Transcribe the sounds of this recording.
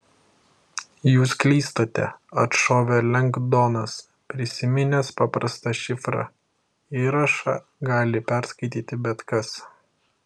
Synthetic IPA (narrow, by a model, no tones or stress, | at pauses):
juːsklʲiːst̪oːt̪ʲɛ̰ɐt̪ʃoːʋʲɛlʲɛŋɡd̪oːnɐs | pʲɾʲɪsʲɪmʲɪnʲɛspɑːpɾɐst̪ɑʃʲɪfɾɑ̰ | iɾɐʃɑ̰ː | ɡɑːlʲɪpʲɛˑɾskɐɪt̪ʲiːt̪ʲɪbʲɛt̪kɐs